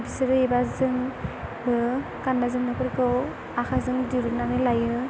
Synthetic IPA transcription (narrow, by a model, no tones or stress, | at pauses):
bisɯɾɯebazɯŋbɯ | kandazɯŋnapʰɯɾkɯw | akʰazɯŋdiɾɯnanɯlajɯ